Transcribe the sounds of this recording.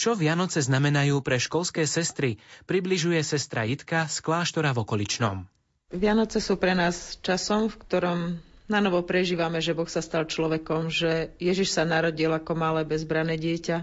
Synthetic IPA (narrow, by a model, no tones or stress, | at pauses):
t͡ʃɔʋɪanɔt͡sɛznamɛnajuːpɾɛʃkɔlskɛːsɛst̪ɾipɾibliʒujɛsɛst̪ɾa̰jit̪kasklaːʃt̪ɔɾavɔkɔlit͡ʃnɔ̰m | ʋɪanɔt͡sɛsuːpɾɛnaːst͡ʃasɔmfkt̪ɔɾɔmnanɔʋɔpɾɛʒiːʋamɛʒɛbɔxsast̪alt͡ʃlɔʋɛkɔmʒɛjɛʒiʃsanaɾɔɟilakɔmalɛːbɛzbɾanɛːɟɪɛca